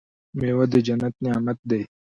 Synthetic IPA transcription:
meːwad̪əd͡ʒɐnːɐt̪nijaːmɐt̪̚d̪ɐj

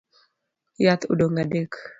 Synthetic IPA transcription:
jat̪ṵdoŋadek

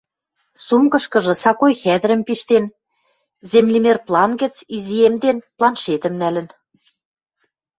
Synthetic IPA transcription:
sumɡɤ̆ʃkɤ̆ʒɤ̆sɑkojxæd̪ɘ̆ɾə̆mpiʃt̪en | zemlimerplˠɑnɡə̆t͡siziemd̪enplˠɑnʃet̪ə̆mnælə̆n

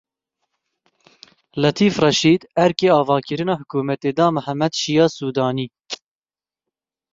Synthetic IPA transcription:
lɛt̪ʰiːfrɛʃiːd̪ɛɾkeːɑːvɑːkɨɾɨnɑːhʊkuːmɛt̪eːd̪ɑːmɨhæmːɛd̪ʃijɑːsuːd̪ɑːniː

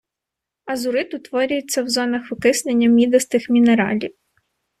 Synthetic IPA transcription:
ɐzʊɾɪt̪ʊt̪ʋɔɾʲʊjet͡sʲːɐwzɔnɐxʊkɪsnenʲːɐmʲid̪ɐst̪ɪxmʲineɾɑ̰lʲiw

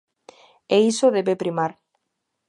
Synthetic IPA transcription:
eisoðeβepɾimaɾ

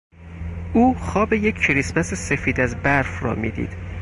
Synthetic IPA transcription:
ʔuːxɒːbeje̞cʰcʰeɾispæsese̞fiːd̪æzbæɾfrɒ̰ːmḭːd̪ḭːd̪̥

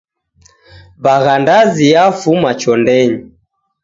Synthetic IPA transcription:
baɣandaziafumat͡ʃɔndɛɲi

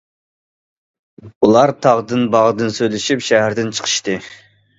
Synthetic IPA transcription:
ulˠɑɾt̪ʰɑʁd̪ɨnbɑʁd̪ɨnsøjlɪʃipʃæɦæɾd̪ɪnt͡ʃʰə̥qʰə̥ʃt̪ɨ

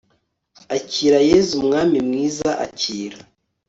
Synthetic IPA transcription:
aciːɾajeːzumŋaːmimŋiːzaʔa̰ciːɾa

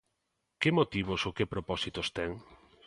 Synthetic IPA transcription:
kɪmot̪iβ̞ʊsokɪpɾopɔsit̪ost̪ɛŋ

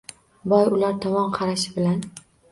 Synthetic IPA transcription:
bɒjʊlaɾt̪ʰɒmɒmqʰɑɾaʃɪbɪlan

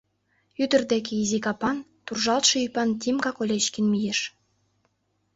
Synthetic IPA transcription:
yd̪ə̆rd̪ek̬eizikɑpɑnt̪urʒɑlˠt̪ʃɤ̆ypɑnt̪ʲimkɑkolʲet͡ɕkʲĭnmijeʃ

